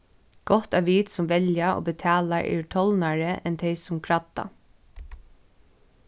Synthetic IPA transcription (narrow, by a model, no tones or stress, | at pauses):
ɡ̥ɔht̪aʋiːt̪sʊmʋɛljao̰ːbət̪ʰɑːlaʔɛ̰ːʈʰɔlnaɹəɛnt̪ʰɛɪsʊmkʰɹat̪ːa̰